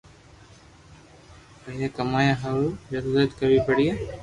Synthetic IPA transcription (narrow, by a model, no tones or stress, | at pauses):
əẽːkəmaːjãːɦaːluːd͡ʒəɾuːɾət̪kəʋiːpəɽiːeː